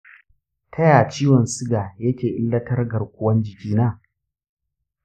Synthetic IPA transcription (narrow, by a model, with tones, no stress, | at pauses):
tʰɐ˦jaː˨t͡ʃiː˦wɔ˨nsɪ˦ɡaː˨jɐ˦kʲeː˨ʔɪ˦lːɐ˦tɐ˦rɡɐ˨rkʷʊ˦wɐ˦nd͡ʒɪ˨kʲiː˦naː˦˨